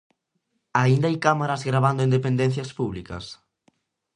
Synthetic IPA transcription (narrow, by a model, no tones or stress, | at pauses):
aind̪aajkamaɾɐzɣɾaβand̪ʊind̪epend̪ẽn̟θjɐspuβlikɐ̰s